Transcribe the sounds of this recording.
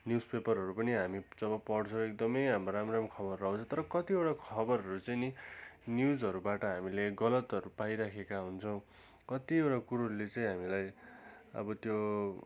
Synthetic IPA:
njuspepʌrɦʌɾupʌniɦamid͡zʌβʌpʌɽt͡sʰʌ̃ekd̪ʌmʌjɦamroɾamɾamkʰʌbʌrːʌũt͡sʰõt̪ʌɾʌkʌt̪iewʈakʰʌbʌrɦʌɾut͡sʌjninjud͡zʌɾubaʈʌɦamileɡʌlʌt̪ʌɾupajɾakʰekaɦunt͡sʰʌw̃ | kʌt̪iewʈakuɾolet͡saĩɦamilajʌ̰bʌt̪jo

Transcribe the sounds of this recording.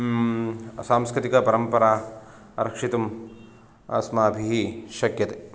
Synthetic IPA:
saːmskɾit̪ikɐpɐɾɐmpɐɾaː | ɐɾɐkʂit̪ɐm | ɐ̰smaːbʱiɦiʃɐkjɐt̪e

